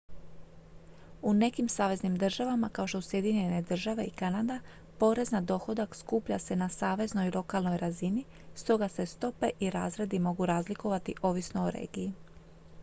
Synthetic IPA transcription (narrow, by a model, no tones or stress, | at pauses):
une̞kimsaːʋe̞znimd̪r̩ʒaʋamakaoʃt̪ousje̞d̪iɲene̞d̪r̩ʒaʋe̞ikanad̪a | po̞ːɾe̞znad̪o̞xo̞d̪akskuːpʎase̞nasaːʋe̞zno̞ilˠo̞kalˠno̞jɾazini | st̪o̞ɡase̞st̪o̞pe̞ʔiɾa̰ːzɾe̞d̪imo̞ɡuɾaːzliko̞ʋat̪iʔo̞ʋisno̞oɾe̞̰ːɡii